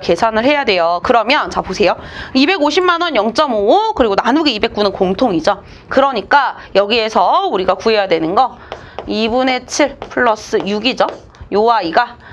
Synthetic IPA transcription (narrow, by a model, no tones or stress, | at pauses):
ke̞sʰanɯɭhe̞jadwe̞jokɯɾʌmjʌnt͡ɕaposʰe̞joibe̞ɡoɕʰimanʌnjʌŋt͡ɕ͈ʌmookɯɾiɡonanuɡeibe̞k͈̚unɯnkoŋtʰoŋid͡ʑʌ | kɯɾʌɲik͈ajʌɡie̞sʰʌuɾiɡakue̞jadwenɯnɡʌibune̞t͡ɕʰiɭpʰɯɭːʌs͈ɯjuɡid͡ʑʌ | joaiɡa